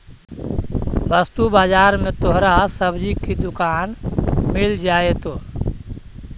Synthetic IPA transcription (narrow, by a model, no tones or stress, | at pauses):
ʋəst̪ubaːd͡ʒaːɾmẽːt̪oɦɾasəbd͡ʒikid̪ʊkaːnmɪld͡ʒaːet̪oː